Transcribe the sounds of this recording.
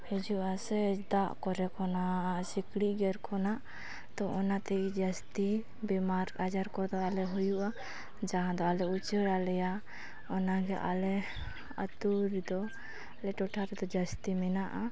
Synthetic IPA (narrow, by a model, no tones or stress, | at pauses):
hɛd͡ʒuʔasɛd̪aʔkɔɾɛkʰɔnasikɽiʔɡɛɾkʰɔnaʔ | t̪ɔʔɔnat̪ɛkid͡ʒəst̪i | bɛmaɾkad͡ʒaɾkɔd̪ɔalɛɦujuʔa | d͡ʒaɦãd̪ɔalɛut͡ʃəɽalɛja | ɔnaɡɛʔa̰lɛ | ə̰t̪uɾd̪ɔ | alɛʈɔʈʰaɾɛd̪ɔd͡ʒast̪imɛnaʔa